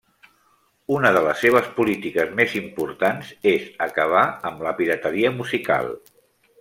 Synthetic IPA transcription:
unəðələsːeβ̞əspulit̪ikəzmezimpuɾt̪anzezəkəβ̞aəmləpiɾət̪əɾiəmuzika̰lˠ

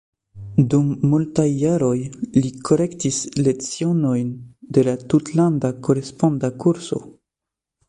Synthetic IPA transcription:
dumːultajːaɾo̞jlikʰo̞ɾe̞ktisle̞t͡sio̞no̞jnde̞latutlandako̞ɾe̞spondakuɾso̞̰

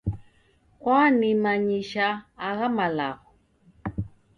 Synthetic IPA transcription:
kwanimaɲiʃaːɣamalaɣɔ

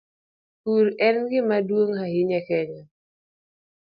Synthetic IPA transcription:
kuɾɛnɡɪmadwoŋhahɪɲɛkɛɲɔ

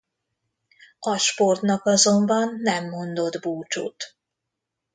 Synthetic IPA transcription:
ɒʃpo̞rt̪nɒkɒzo̞mbɒnːɛmːo̞nd̪o̞d̪buːt͡ʃo̰ːt̪

